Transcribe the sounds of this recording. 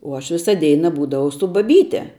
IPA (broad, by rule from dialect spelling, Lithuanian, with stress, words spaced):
uɔ ˈɐʃ ˈʋʲɪsɐ ˈdʲɛɪnɐ ˈbuːdɐʋɐʊ sʊ bɐˈbʲiːtʲɛ